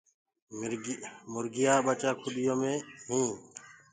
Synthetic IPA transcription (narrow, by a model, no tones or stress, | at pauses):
mʊɾɡɪjaːɓət͡ʃaːkʰʊɗɪjõːmẽːɦĩː